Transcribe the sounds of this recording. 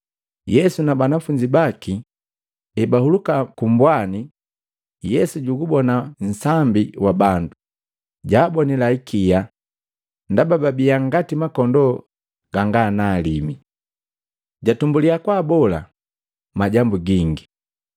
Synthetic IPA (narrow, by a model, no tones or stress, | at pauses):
jɛsunabanafuɲd͡ʒibaki | ɛbahulukakumbwani | jɛsuɟuɡubɔnan̩sambiwabandu | ɟaːbɔnɛlaikʰija | ndabababijaŋɡatimakɔndɔ | ɡ̥aŋɡanaːlimi | ɟatumbuliakwaːbɔla̰ | maɟambuɡiŋɡi